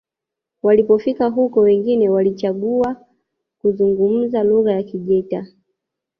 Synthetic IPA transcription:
walipɔfikaɦukɔwɛŋɡinɛwalit͡ʃaɡua | kuzuŋɡum̩zaluɣajakiʄɛta

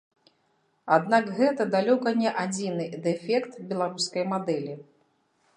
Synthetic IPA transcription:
ad̪nakɣɛt̪ɐd̪alʲɔkɐnʲɛʔad͡zʲinɨd̪ɛfʲɛkt̪bʲɛlˠaɾuskɐjmad̪ɛlʲi

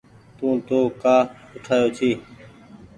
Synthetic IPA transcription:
t̪ũːt̪oːkaːʊʈʰaːjoːt͡ʃʰiː

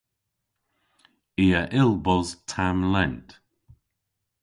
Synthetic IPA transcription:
iəʔɪlˠbɔztʰamlɛnt

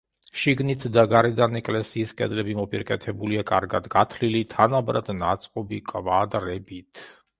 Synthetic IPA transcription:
ʃiɡnit̪ʰd̪aɡaɾɛd̪anɛkʼlɛsiːskʼɛ̰d̪lɛbimɔpʼiɾkʼɛt̪ʰɛbuliakʼa̰ɾɡa̰d̪ɡat̪ʰlilit̪ʰanabɾad̪nat̪sʼqʼɔbikʼvad̪ɾɛbit̪ʰ

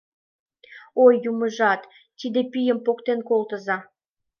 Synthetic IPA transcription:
ojːuməʒɑt̪ː | id̪epijəmpokt̪enkolt̪əzɑ

